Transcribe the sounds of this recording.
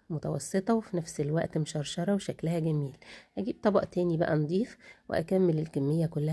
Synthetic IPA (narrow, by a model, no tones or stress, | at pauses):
mot̪ɑ̰wɑ̰sˤːet̪ˤɑwefinæfselwæʔt̪meʃɑɾˤʃɑɾˤɑweʃæklæhæɡæmiːlʔæɡiːb̚t̪ˤɑbɑʔt̪æːnibæ̰ʔænd̪ˤiːfwḛʔæ̰kæmːelelkæmːejːækolːæh